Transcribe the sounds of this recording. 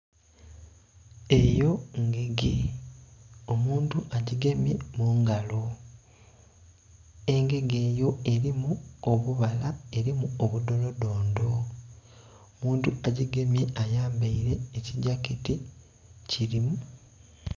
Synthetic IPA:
e̞jo̞ŋɡeɡe | o̞muːntuʔaɟiɡe̞mje̞muːŋɡalo̞ | e̞ŋɡe̞ɡe̞ːjo̞e̞ɾimuoβuβalae̞ɾimuoβudo̞lo̞do̞ːndo̞ | omuːntuaɟiɡe̞mje̞ʔajaːmbaiɾe̞ːciɟakiti | ciɾimu

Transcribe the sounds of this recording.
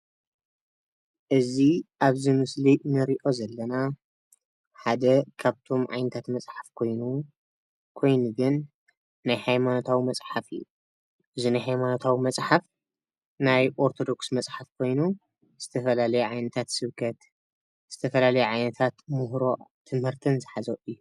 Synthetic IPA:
ʔɨziʔaβzɨmɨslinɨɾiʔo̞zɐlːɐna | ħad̪ɐkʰaβt̪ʰo̞mʕa̰jnɐt̪ʰat̪mɐt͡sʼħafkʰo̞jnu | kʰo̞jnuɡɨnː | ajhajmanot̪ʰawimɐt͡sʼħafɨ̰jːu | ʔɨzinajhajmanot̪ʰawimɐt͡sʼħaf | najʔoɾt̪ʰo̞d̪o̞ksmɐt͡sʼħafkʰo̞jnu | z̥ɨt̪ʰɐfɐlalɐjuʕajnɐt̪ʰat̪sɨβkʰɐt̪ | z̥ɨt̪ʰɐfɐlalɐjuʕajnɐt̪ʰat̪muɦɾo̞t̪ʰɨmhɨɾt̪ʰɨnzɨħazoʔɨjːu

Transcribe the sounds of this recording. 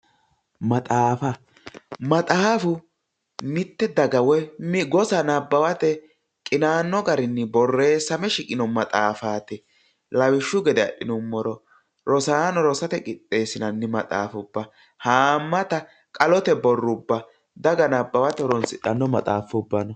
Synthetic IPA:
mɐt̪ʼaːfɐ | mɐt̪ʼaːfʊ | mɪt̪ːɛd̪ɐɡɐwɛmɡɔsɐnɐbːɐwɐt̪ɛ | kʼɪnaːnːɔɡɐɾɪnːɪbɔrːe̞ːsɐmɛʃɪkʼɪnɔmɐt̪ʼaːfaːt̪ɛ | lɐwɪʃːʊɡɛd̪ɛɐ̰ɗɪnʊmːɔɾɔ | ɾɔsaːnɔɾɔsɐt̪ɛkʼɪɗːe̞ːsɪnɐnːɪmɐ̰t̪ʼa̰ːfʊbːɐ | haːmːɐt̪ɐ | kʼɐlɔt̪ɛbɔrːʊbːɐ | d̪ɐɡɐnɐbːɐwɐt̪ɛɾɔnsɪᶑɐnːɔmɐt̪ʼaːfːʊbːɐnɔ

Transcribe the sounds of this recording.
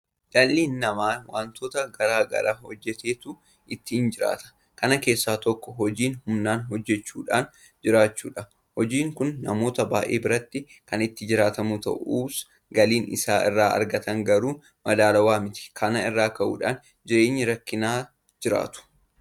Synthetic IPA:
ᶑɐlːiːnːɐmaːwaːnt̪oːt̪ɐɡɐɾaːɡɐ̰ɾʔaːhɔd͡ʒːɛt̪e̞ːt̪ʊ | ʔɪt̪ːɪɪnd͡ʒɪɾa̰ːt̪ɐ̥ | kɐnɐke̞ːsːaːt̪ɔkːɔɦɔd͡ʒiːnhʊmnaːnɦɔd͡ʒːɛt͡ʃːuːᶑaːn | d͡ʒɪɾaːt͡ʃːṵːᶑɐ | hɔd͡ʒiːŋkʊnːɐmo̞ːt̪ɐbaːʔeːbɪɾɐt̪ːɪ | kɐnɪt̪ːɪd͡ʒɪɾaːt̪ɐmut̪ɐ̰ʔuːs | ɡɐliːnɪ̰saːɪ̰rːaːʔɐ̰ɾɡɐt̪ɐŋɡɐɾuː | mɐd̪aːlɐwaːmɪt̪ɪ̥kʰɐnɐɪrːaːkɐʔṵːᶑaːn | d͡ʒɪɾe̞ːɲːɪɾɐkːɪnaː | d͡ʒɪɾa̰ːt̪ʊ̥

